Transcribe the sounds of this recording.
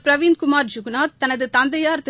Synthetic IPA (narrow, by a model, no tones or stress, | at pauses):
pɾɐʋiːnd̪kʊmaːɾd͡ʒʊɡnaːt̪t̪ːɐnɐðɯt̪ɐnd̪ɐjaːɾt̪